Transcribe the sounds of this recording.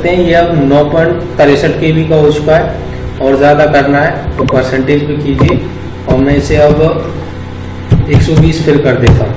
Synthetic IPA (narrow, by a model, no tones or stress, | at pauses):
t̪eɦɛ̃jeɐbnɔːpəɳk̪ɐɾesəʈkebʱikaɦot͡ʃʊ̥kaɦɛ | ɔːɾzjaːd̪akɐɾnaɦɛpɐɾsɛ̃ɳʈeːd͡ʒpekiːd͡ʒie | ɔːɾmɛ̃ɪseɐb | eːksɔbiːspʰɪɾkɐɾd̪eːt̪ãː